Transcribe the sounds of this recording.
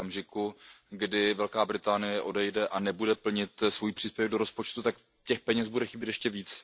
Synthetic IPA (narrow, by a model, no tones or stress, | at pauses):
amʒɪkuɡdɪvɛlkaːbɾɪt̪aːnɪjɛʔo̞dɛjdɛʔanɛbudɛpl̩ɲɪt̪svojiːpr̥iːspjɛvɛɡdo̞ɾo̞spo̞t͡ʃt̪ut̪ak | cɛxpɛɲɛsbudɛxɪbjɛt̪jɛʃcɛviːt͡s